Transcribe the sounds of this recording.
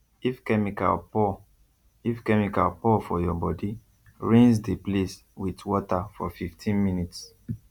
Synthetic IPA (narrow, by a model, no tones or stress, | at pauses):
ifkɛmika̰lpɔ | ifkɛmika̰lpɔfɔjɔbɔdi | ɹĩŋsdeples | witwɔtafɔ̰fiftʰĩnminits